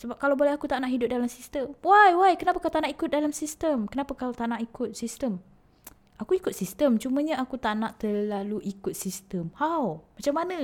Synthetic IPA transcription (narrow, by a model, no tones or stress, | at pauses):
səbap̚kalawbolɛhakut̪aʔnaʔɦidʊp̚dalamsist̪əmwajwajkənapakawt̪anaʔikʊt̪̚dalamsist̪əmkənapakalat̪anaʔikʊt̪̚sist̪əm | akuikʊt̪̚sist̪əmt͡ʃumãɲãakut̪aʔnãʔt̪əlaluʔikʊt̪̚sist̪əmhawmat͡ʃamːanə̃